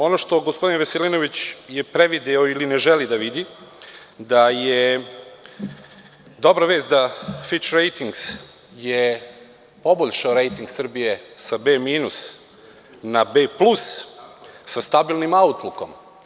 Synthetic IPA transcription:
o̞noʃt̪o̞ɡospo̞d̪inʋaselino̞ʋit͡ɕjepɾeʋid̪eoilineʒelid̪aʋid̪i | d̪aje | d̪o̞bɾaʋeːzt̪d̪afit͡ʃɾejt̪iŋɡs | je | po̞boʎʃaoɾe̞jt̪iŋɡsr̩bije̞sabeːmiːnus | nabeːplus | sast̪abilˠnimaut̪luko̞̰m

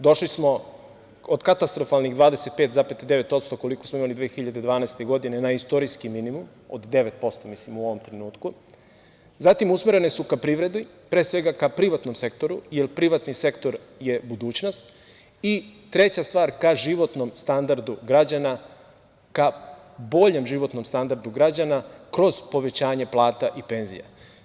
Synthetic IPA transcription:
d̪o̞ʃlismo̞ | od̪kat̪ast̪ɾo̞falniɣd̪ʋaːd̪e̞se̞t̪̚pet̪zapet̪d̪e̞ʋe̞t̪o̞t̪st̪o̞ko̞liko̞smoimalid̪ʋeːxiʎad̪ed̪ʋaːnaest̪e̞ɡo̞d̪ine̞naist̪o̞ɾiskiminimum | o̰d̪ːe̞ʋet̪̚po̞st̪omislimuoʋo̞mt̪ɾenuːt̪ku | zat̪imusmeɾe̞ne̞sukapɾiʋɾe̞d̪i | pɾe̞ːsʋe̞ɡakapɾiʋat̪no̞mse̞kt̪o̞ɾujelpɾiʋat̪nise̞kt̪o̞ɾ | je̞bud̪uːt͡ɕno̞st̪ | it̪ɾe̞t͡ɕast̪ʋaːɾkaʒiʋo̞t̪no̞mst̪and̪aɾd̪uɡɾad͡ʑana | ka | bo̞ʎemʒiʋo̞t̪no̞mst̪and̪aɾd̪uɡɾad͡ʑanakɾo̞z̥po̞ʋe̞t͡ɕaːɲe̞plˠaːt̪aʔipe̞ːnzḭja̰

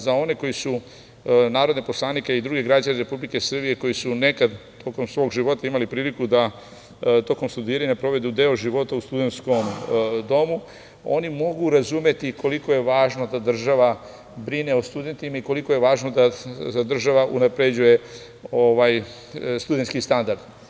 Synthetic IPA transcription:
zao̞ne̞ko̞jisu | naːɾo̞d̪nepo̞slˠaːnikeid̪ɾuɡeɡɾad͡ʑaneɾe̞publike̞sr̩bije̞ko̞jisune̞kad̪t̪o̞ko̞msʋo̞ːɡʒiʋo̞t̪aimalipɾiːlikud̪a | t̪o̞ko̞mst̪ud̪iːɾajinepɾo̞ʋe̞d̪ud̪e̞ːoʒiʋo̞t̪aust̪ud̪e̞nt̪sko̞md̪o̞mu | o̞̰nimo̞ɡuɾazume̞t̪ikʰo̞liko̞je̞ʋaːʒno̞d̪ad̪r̩ʒaʋa | bɾine̞ost̪ud̪e̞nt̪imaiko̞liko̞je̞ʋaːʒno̞d̪azad̪r̩ʒaʋaʔunapɾe̞d͡ʑuje̞ | o̞ʋaj | st̪ud̪e̞nt̪skist̪and̪aɾd̪

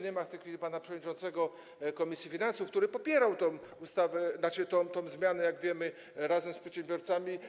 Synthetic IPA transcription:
ɲɛmaft̪ɛjxfʲilʲipanapʂɛvɔd̪ɲʲit͡ʂɔ̃nt̪sɛɡɔ | kɔmʲisjifʲinansufkt̪uɾɘpɔpʲjɛɾawt̪ɔ̃w̃ust̪avɛnaʂɘt̪ɔ̃w̃t̪ɔ̃w̃zmʲjanɛjaɡvʲjɛmɘ | ɾazɛmspʂɛ̥t̪ɕɛ̃mbʲjɔɾt̪samʲi

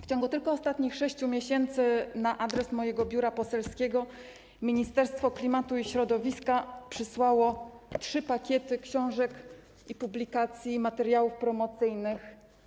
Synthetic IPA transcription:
ft͡ɕɔ̃ŋɡut̪ɘlkɔɔst̪at̪ɲixʂɛɕt͡ɕumʲjeɕɛnt̪sɘnaʔad̪ɾɛsmɔjɛɡɔbʲjuɾapɔsɛlskʲɛɡɔ | mʲiɲist̪ɛɾst̪fɔklʲimat̪uiɕɾɔd̪ɔvʲiskapʂɘswawɔtʂɘpakʲjɛt̪ɘkɕɔ̃w̃ʐɛk | ipublʲikat̪sʲjimat̪ɛɾjawufpɾɔmɔt̪sɘjnɘx

